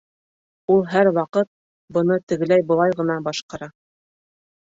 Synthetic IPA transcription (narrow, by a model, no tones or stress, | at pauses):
ulˠɦæɾwɑqɤt̪̚ | bɤ̆nɤt̪ɘ̆ɡɘ̆læjbɤ̆lˠɑjʁɤ̆nɑbɑʃqɑɾɑ